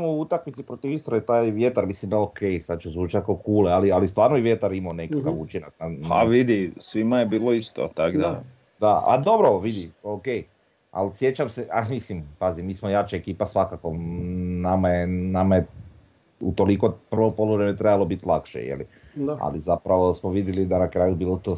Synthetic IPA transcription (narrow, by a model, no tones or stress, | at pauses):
mouut̪akmit̪sipɾot̪ifist̪ɾait̪aːjʋjet̪aɾmislimd̪aokʰejsad̪̚t͡ʃuzʋuːt͡ʃat̪̚kokuːlealialist̪ʋaːɾnobiʋjet̪aɾimanekakaʋut͡ʃinak̚naa̰ʋid̪isʋimajebiːlˠoist̪o̰t̪aɡd̪a | d̪aa̰d̪obɾoʋid̪iokej | a̰lsje̞t͡ɕamseamislimpazimːiːsmojat͡ʃaekiːpasʋakako̞namajenamaje | ut̪o̞liko̞pr̩ʋopolˠoʋɾemet̪ɾebalˠo̞bit̪lˠakʃḛjḛlḭ | a̰lizapɾaʋosmoʋid̪jelid̪anakɾaːjubiːlˠot̪oː